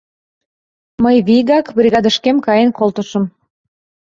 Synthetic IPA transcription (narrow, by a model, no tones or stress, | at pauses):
məjβiɣɑkbrʲiɣɑd̪əʃkemkɑjenkolt̪əʃə̆m